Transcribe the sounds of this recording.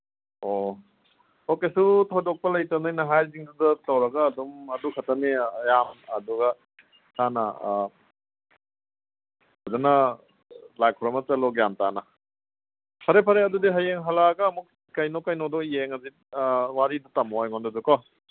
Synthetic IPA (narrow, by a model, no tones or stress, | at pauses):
o | okesutʰɔjdɔk̚pɐlɐjtɐnajnɐɦajziŋdudɐtɐwɾɐɡɐːdumɐdukʰɐtɐmejamɐ̰duɡɐ | sanɐ̰ | adanɐ | lajkʰɔɾɔmɐt͡ʃɐlɔɡjamtanɐ | pʰɐɾepʰɐɾeɐdudiɦɐjeŋɦalaɡɐːmuk̚ | kɐjnɔkɐjnɔdɔieŋɐzi | waɾidutamojŋɔndɐdukɔ